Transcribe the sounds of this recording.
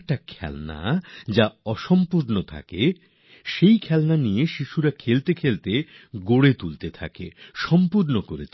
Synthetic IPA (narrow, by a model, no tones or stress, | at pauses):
k̚ʈakʰɛ̰lna̰d͡ʑaɔʃɔmpuɾnot̪ʰa̰ke | ʃejkʰɛlnanijeʃiʃuɾakʰelt̪ekʰelt̪e | ɡoɽet̪ult̪et̪ʰakḛʃɔmpuɾnokoɾet͡ɕʰ